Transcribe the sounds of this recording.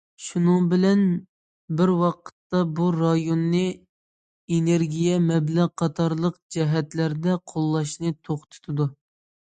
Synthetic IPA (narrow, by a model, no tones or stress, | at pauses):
ʃunɨŋbɪlɛn | bɪɾwɑqʰə̥t̪ːɑbuɾɑjonːɨ | eneɾɡʲijɛmɛblæʁqʰːɑt̪ʰɑɾlˠəqd͡ʒɛɦɛt̪læɾd̪ɛqʰolˠːɑʃnɨt̪ʰoχt̪ʰu̥t̪ʰɨd̪u